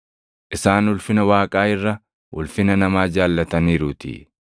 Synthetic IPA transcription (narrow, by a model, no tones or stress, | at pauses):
ʔɪsaːnwʊlfɪnɐwaːkʼaːɪrːɐ | wʊlfɪnɐnɐmaːd͡ʒaːlːɐt̪ɐniːɾʊt̪ḭ